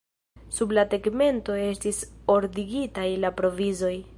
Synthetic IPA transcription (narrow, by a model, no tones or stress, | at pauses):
sublate̞ɡme̞nto̞e̞stiso̞ɾdiɡitajlapɾo̞vizo̞j